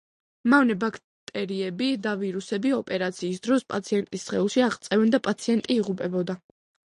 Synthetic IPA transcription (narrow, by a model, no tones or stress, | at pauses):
mavnɛbakʰ | t̪ʼɛɾiɛbid̪aviɾusɛbiɔpʼɛɾat̪sʰiːsd̪ɾɔspʼat̪sʰiɛnt̪ʼisːχɛulˠʃiaʁt̪sʼɛvɛnd̪apʼat̪sʰiɛnt̪ʼiːʁupʼɛbɔd̪a